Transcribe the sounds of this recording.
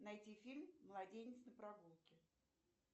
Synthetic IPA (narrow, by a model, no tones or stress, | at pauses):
nɐjtʲifʲilʲmːlˠɐdʲenʲɪt̪snəpɾɐɡulˠkʲɪ